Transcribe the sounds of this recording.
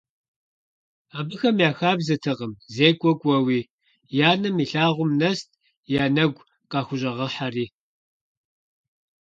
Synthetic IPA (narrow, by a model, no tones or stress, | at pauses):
aːbɨxɐmjaːxaːbzɐtʰɨʁəmzeːkʷʼɔkʷʼɐwiː | jaːnɐmiːɬaːʁʷʊmnɐst̚ʰʼ | jaːnɐɡʷ | qʼɑːxʷʊʑʼɐʁɐħariː